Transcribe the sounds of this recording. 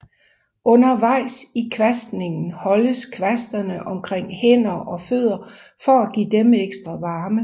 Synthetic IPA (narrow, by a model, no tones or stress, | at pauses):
ɔ̽nɐʋɑ̈ɪ̰sikʰʋæsd̥ne̝ŋn̩hɒ̽ləskʰʋæsd̥ɐnəʔɒ̽mkʰʁeŋ̰hen̰ɐʔɒ̽føð̰ˠɐfɒ̽æɡ̥ḭːd̥emeɡ̥sd̥ʁɐʋɑ̈ːmə